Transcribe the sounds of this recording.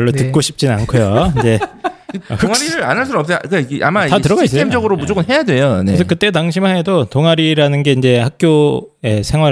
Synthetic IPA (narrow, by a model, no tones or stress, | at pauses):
ʌɭːotɯk̚k͈oɕʰi̥p̚t͡ɕ͈innankʰojoind͡ʑe̞ | ʌkŋaɾiɾɯɾa̰nɦɯɭs̬͈uɾʌp̚s͈ekaa̰maitatɯɾʌɡais͈eemd͡ʑʌɡɯɾomud͡ʑoɡɯnɦe̞jadwe̞jones̬ʰʌkɯt͈e̞t̬aŋɕʰimaɦedotoŋaɾiɾanɯnɡe̞ind͡ʑe̞hak̚k͈joe̞sʰe̞ŋɦwa